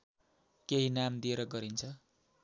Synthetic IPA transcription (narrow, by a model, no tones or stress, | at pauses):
keɦinamd̪ieɾʌɡʌɾint͡sʰʌ